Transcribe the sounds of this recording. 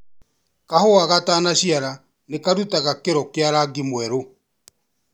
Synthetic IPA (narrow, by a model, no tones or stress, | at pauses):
kahoaɣataːnaɕiaɾa | nekaɾutaɣakeɾɔkeaɾaɡimwɛɾo